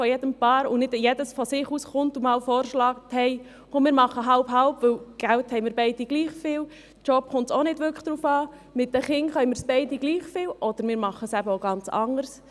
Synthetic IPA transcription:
fɔjɛd̥əmpɑːɾʊnɪdjɛdəsfɔsɪχuːsχʊntumɑːlfɔːɾʃlɑːkthɛɪ | omɪːɾmɑχəɦɑlpɦɑlpʋʏwɡ̥ælthɛɪmɪːɾbɛɪd̥iɡ̥liːχfɪːl | t͡ʃɔpχʊntsonɪdʋʏɾkə̥d̥ɾuːfɑː | mɪt̚dəχɪŋχœjmɪːɾsb̥ɛɪdiɡ̥liːχfɪːlʔɔd̥əɾmɪːɾmɑχəsæbəoɡɑnt͡sɑ̰ŋəɾs

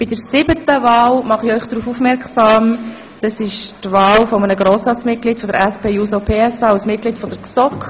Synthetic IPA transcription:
b̥idəɾsɪbətəvɑːlmɑχiœʏχd̥ɾuːfuːfmɛɾksɑːm | d̥ɑsɪʃtvɑːlfɔmənəɡɾoːsɑːtt͡smɪt̚ɡ̥liːtfɔd̪əɾɛspeːjuːsopʰeːɛsɑːasmɪt̚ɡliːtfɔdəɾksɔkχ

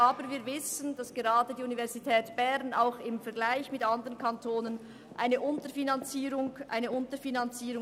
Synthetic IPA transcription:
ʔaːbəviːɐvɪsənd̥ɑsɡ̥eʁɑːdədiːunivɛʁzitʰɛːtb̥ɛʁnaʊxɪmfɛɐɡlaɪçmɪtʔɑndəʁənkʰɑntʰoːnən | ʔa̰ɪnəʔʊntəfinɑnt͡siːɾʊŋʔa̰ɪnəʊntəfinɑnt͡siːɾʊ

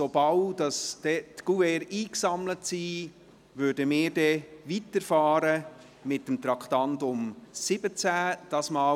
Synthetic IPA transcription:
sobɑwd̥ɑsd̥ɛtɡ̥uvɛɾiːksɑmlətsiː | ʋøːɾdəmɪːɾdɛʋitəɾfɑːɾə | mɪtːəmt̪ɾɑkχtɑntʊmsɪbət͡sæd̥ɑsmɑː

